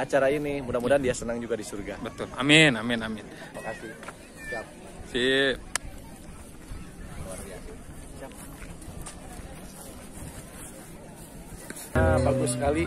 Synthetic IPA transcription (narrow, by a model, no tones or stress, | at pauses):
at͡ʃaɾainimudamudandiasənaŋd͡ʒuɡadisurɡabət̪ʊlamɪnamɪnamɪnmakasɪh | siap̚ | si | wart̪ia | sap̚ | əmakusəkali